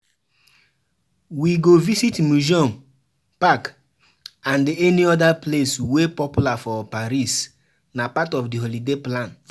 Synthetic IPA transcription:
wiɡovisitmud͡ʒɔ̃m | pak | ãndeɛniɔdapleswepɔpjulafɔpaɾis | napatɔfdiɦɔlideplãn

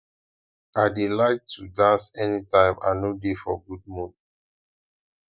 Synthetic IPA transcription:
aɪdelaɪk̚tʰudãnsɛnitãɪ̃mã̰nodefɔ̰ɡud̚mũn

